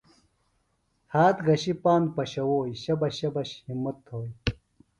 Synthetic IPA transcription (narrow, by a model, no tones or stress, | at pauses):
haːt̪ɡɐɕipaːnd̪pɐɕɐwoːiɕɐbɐɕɐbɐɕhimːɐt̪ʰːoːj